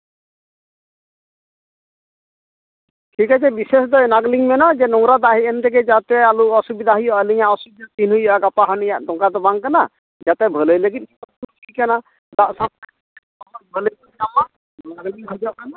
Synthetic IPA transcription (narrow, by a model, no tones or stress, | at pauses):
ʈʰikat͡ʃʰɛbises̬d̪ɔɛnaɡliŋmɛnad͡ʒɛnɔŋɾad̪aɦiɛnt̪ɛɡɛd͡ʒat̪ɛaluɔsubid̪ʱaɦujɔʔəliɲaɔsubid̪ʱat̪inɦujɔʔaɡapaɦɔnijaʔd̪ɔŋkad̪ɔbaŋkana̰ | d͡ʒat̪ɛbʱələjləɡit̪̚kipɔkʰikana | d̪aʔsap̚ | amaɾbʱələj | amaʔ | naɡliŋɦɔd͡ʒɔʔkana